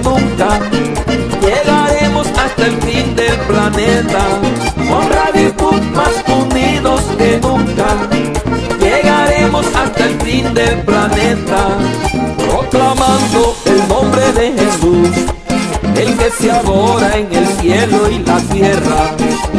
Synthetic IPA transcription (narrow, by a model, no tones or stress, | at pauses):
nũŋka | je̞ɣaɾe̞mo̞sast̪aelfind̪e̞lplane̞t̪akwanbɾaðiɣusmasund̪iðo̞ske̞nũŋka | jeɣaɾe̞mo̞sast̪aelfind̪e̞lplanet̪a | pɾo̞klamãnd̪o̞elnõ̞mbɾe̞ðe̞xe̞sus | elke̞seaɣoɾaeŋe̞lsje̞lo̞ilat̪je̞ra